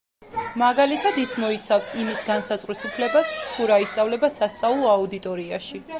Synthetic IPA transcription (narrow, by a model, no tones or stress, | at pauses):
maɡalit̪ʰad̪ismɔit̪sʰafsimisɡansazʼʁʼwisupʰlɛbast̪ʰuɾaist̪sʼavlɛbasast̪sʼavlˠɔaud̪it̪ʼɔɾia̰ʃi